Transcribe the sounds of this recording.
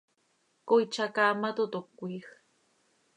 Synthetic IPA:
kojt͡ʃakamat̪ʊt̪okːujχ

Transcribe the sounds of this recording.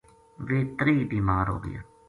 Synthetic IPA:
ʋeːt̪ɾiːbiːmaːɾɦo̰ːɡə̰ja̰ː

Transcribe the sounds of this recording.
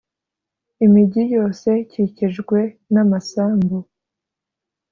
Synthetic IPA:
imiɟijo̞ːse̞ciciʒɡwe̞namasaːmbo

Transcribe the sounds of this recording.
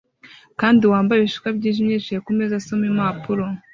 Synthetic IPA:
kaːndiwaːmbajeβiʃu̥kabɟiːʒimɲeːt͡ʃiɾekumezasomimapuɾo

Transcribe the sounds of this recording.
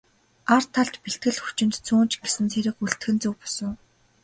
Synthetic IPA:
art̪ʰːaɮt̪piɬt̪̚ɡɘ̆ɮxu̥t͡ɕɪ̆nt̪t͡sʰuːnt͡ɕɡ̥esɘ̆nt͡sʰeɾɘ̆kuɮt̪xɘ̆nt͡sɵkpɔ̥sə̆ŋ

